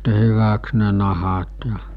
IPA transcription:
hyʋæks ne nɑhɑt jɑ

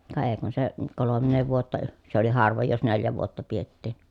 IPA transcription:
kɑ eː kun se kolomːeː ʋuotːɑ se oli hɑrʋoj jos neljæ ʋuotːɑ pietːiˑn

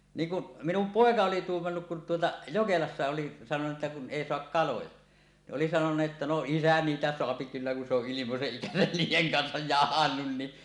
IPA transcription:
niːŋ kuʔ minum poˑekɑ oli tuːmːɑnːuk kun tuotɑ jokelɑsːɑ oli sɑnoneːt ʔetːæ kun ʔeˑi soɑk kɑlojɑ ni ʔoli sɑnonuʔ ʔetːæ no isæ niːtæ soɑpi kylːæ kun se oʔ ʔilimoseʔ ʔikæsæn niːjˑeŋ kɑnsɑj jɑhɑnːun ni

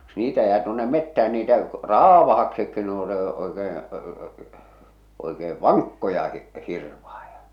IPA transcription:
niːtæ jæː tuonːe metːææn niːtæ rɑːʋɑhɑksikːi ne o ne oekeːẽ oikeː ʋɑŋkːojɑ hi hirʋɑhɑ̥j̊ɑ̥

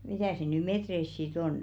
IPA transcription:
mitæˑ se̝ ny metreis sit on

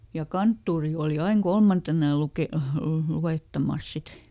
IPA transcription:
jɑ kɑntːuːri oːli ɑiŋ kolmɑntenɑ jɑ luke luweˑtːɑmɑˑs sit

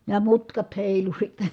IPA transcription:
jɑ mutkɑt heˑilu sitːe̥

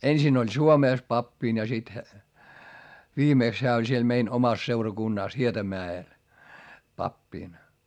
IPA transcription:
ensin olʲ suomeˑs pɑpːin jɑ sit ʋiːmeˑks heæ olʲ siel mein omɑs seurɑkunːɑˑs hietɑmæːel pɑpːiˑn

